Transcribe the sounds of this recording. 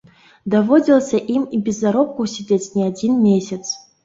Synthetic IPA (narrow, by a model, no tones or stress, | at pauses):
d̪avodʲilˠsʲɐʔimibʲɪzaɾop̚kusʲidʲetʲnʲiadʲinmʲesʲət̪s